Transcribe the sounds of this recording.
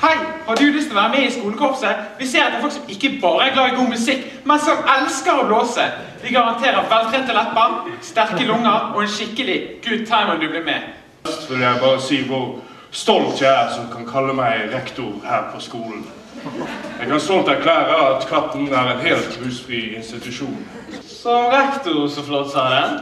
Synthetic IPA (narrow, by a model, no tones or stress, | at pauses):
hæɪhɑd̪ʉlʏst̪ɔʋæːɾəmɛɪskuːləkʰɔpsəʋɪseːɾɑt̪d̪ɛfɔlksɔmɪkːəbɑːɾəæɡlɑːɪɡuːmʉsɪkː | mɛnsɔmɛlskəɾɔbloːsə | ʋɪɡɑʁɑnt̪ʰeːɾəɾʋɛlt̪ʰɾɛnt̪əlɛpːəɾst̪æɾkəlʊŋːəɾɔɛnʃɪkːəlɪɡ̥ʉːd̪̚t̪ʰɑɪmənd̪ʉblɪmɛ | lst̪ʋɪljæɪbɑːʁəsiːʋʊɾ | st̪ɔlt̪ææʁsɔmkʰɑnkʰɑlːəmæɪɾɛkt̪ʊɾhæːɾpʰɔskuːlən̩ | jæɪɡkɑnst̪ɔlt̪æɾkʰlæːɾəɑt̪kʰʋɑpːnæɾɛnɦeːlt̪ʁʉːsfʁiːɪnst̪ɪt̪ʉʃuːn | sɔɾɛkt̪ʊɾsɔflɔt̪sɑd̪ɛ